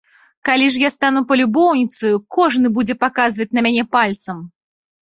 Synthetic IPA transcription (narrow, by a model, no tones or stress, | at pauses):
kalʲiʂ̬jast̪anupɐlʲubɔwnʲit̪sɐjukʰɔʐnɨbud͡zʲɛpakazvɐt͡sʲnɐmʲanʲɛpalʲt̪sɐm